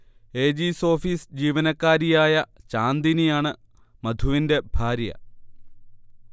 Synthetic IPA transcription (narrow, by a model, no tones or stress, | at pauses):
e̞ːd͡ʑiso̞ːfiːsd͡ʑiːʋɐnɐkːaːɾijaːjɐt͡ɕaːnd̪inijaːɳɨ | mɐd̪ʱuʋinde̞bʱaːɾjɐ̰